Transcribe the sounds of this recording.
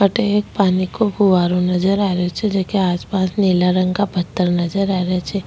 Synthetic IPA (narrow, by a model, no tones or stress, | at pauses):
ɐʈek̚paːnikoɦuʋaːɾõnɐzəɾaːɾeot͡ʃʰɛd͡ʒekeaːspaːsneːlaɾə̃ŋɡkabʱɐt̪ːəɾnɐd͡ʒəɾaːɾet͡ʃʰɛː